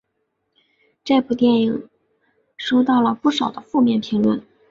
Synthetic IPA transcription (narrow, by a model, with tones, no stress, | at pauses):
ʈ͡ʂe˥˧ɪpu˥˩t̪jɛ˥˩ni˨˩ŋ | ʂo˥ʊt̪ɑ˥˩ʊlə˩pu˥˩ʂɑ˨˩ʊd̪ə˦fu˥˧mjɛ˥˩npʰi˧˥ŋlwə˥˩n